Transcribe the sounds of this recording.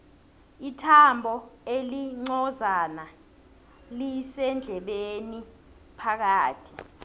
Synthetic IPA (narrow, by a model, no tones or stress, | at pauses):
itʰambʱɔeliŋ͡ǀɔzana | lisɛnd͡ɮʱɛɓeni | pʰak̬aːtʰi̥